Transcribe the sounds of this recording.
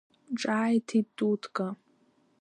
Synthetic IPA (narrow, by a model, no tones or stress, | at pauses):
ʈ͡ʂʼaːjtʰitʼutʰkʼa